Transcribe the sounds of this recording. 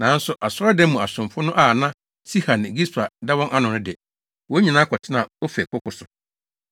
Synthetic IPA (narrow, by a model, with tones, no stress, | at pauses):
nã˨˦n̩˦sʊ˨ʔa˨sɔ˦ɔ˦dɛ̃˦mũ˨a˨sʊ̃˨mfʊ˦nʊ̃˦ʔa˦˨nã˦ | si˦ha˨n˨e˨ɡi˦sta˨da˦wɔ̃˦ŋʔa˦nʊ̃˨nʊ̃˦dɪ˨ɛ˨ | wo˨˦ɲĩ˨nã˦kʰɔ˨tʰɪ˦nã˨o˦fɛ˨kʰʊ˦kʰʊ˨sʊ˨